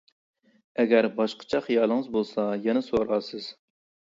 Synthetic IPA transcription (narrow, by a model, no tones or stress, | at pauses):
ɛɡʲæɾbɑʃqʰə̥t͡ʃʰɑχijɑːlˠəŋɨzbolˠsɑjɛnɛsoɾɑːsɨz̥